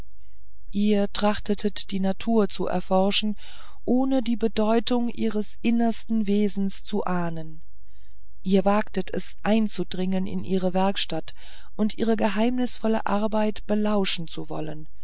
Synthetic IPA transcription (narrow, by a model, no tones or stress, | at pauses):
ʔiːɐtʁ̥aχtətʰətd̥iːnatʰuːɐt͡suʔɛ̰ɐfɔɐʃn̩ | ʔoːnədiːbədɔʏtʊŋʔiːʁ̞əsʔɪnɐstn̩veːzn̩st͡suʔaːnən | ʔiːɐvaːktətʰɛ̰sʔaɪnt͡sudʁɪŋənɪ̰nʔiːʁəvɛɐkʃtat | ʔʊntʔiːʁ̞əɡəɦaɪmnɪsfɔlə̰ʔaɐbaɪtb̥əlaʊʃn̩t͡suvɔ̰lən